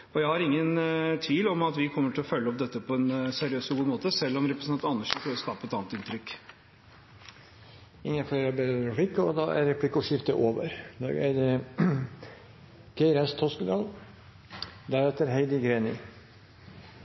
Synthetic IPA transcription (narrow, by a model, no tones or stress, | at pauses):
ɔjæɪhɑɾɪŋːənt̪ʰʋiːlɔmɑt̪ʋɪkʰɔmːəʈʰɪlɔfœlːəɔp̚d̪ɛt̪ːəpʰɔɛnsæɾɪøːsɔɡuːmoːt̪əsɛlːɔmɾɛpɾəsɑnt̪ɑnːəʂəpʰɾøːʋɔskɑːpːəɛt̪ɑːnt̪ɪnt̪ɾʏkː | ɪŋːənfleːɾəbeːd̪ədɾɛpʰlɪkːəɔd̪ɑʔæ̰ɾɾɛpʰlɪkːʊʂɪft̪əʔoːʋəɾd̪ɑ̰ɡæ̰ɪd̪ə | ɡ̥æɪɾæst̪ʰɔskd̪ɑːl | d̪æɾɛt̪əɾɦæɪd̪ɪɡɾeːnɪ